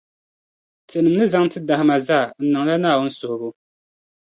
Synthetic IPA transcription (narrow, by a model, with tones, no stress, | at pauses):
tʰe˨nɨ˨mnɨ˦za˦ŋ˦tɨ˦da˨hɪ˦ma˨za˦˨n̩˦nɨ˨ŋla˦naː˦˨wʊ˦n̩˦sʊ˨hʊ˨bʊ˦